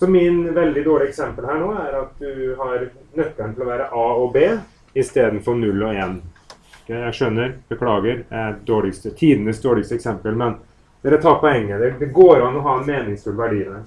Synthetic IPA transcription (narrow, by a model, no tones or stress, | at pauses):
sɔmɪnʋɛld̪ɪd̪oːɭɪɛksɛmpəlhæːɳoːæɾɑt̪̚d̪ʉɦɑɾnœkːəɳt̪ʰɪlɔʋæːɾəʔɑːɔbeː | ɪst̪eːd̪n̩fɔɳʉlːɔeːn | jæʂœnːəɾb̥əkʰlɑːɡəɾd̪ææd̪oːɭɪkst̪ət̪ʰiːd̪ənəsd̪oːɭɪkst̪əɛksɛmpəlmɛn | d̪ɛɾɛt̪ʰɑːɾpʰɔɛŋːəd̪ɛd̪ɛɡoːɾɑnːɔɦɑːɛnmeːnɪŋst̪ʰuːlʋæɖiːənə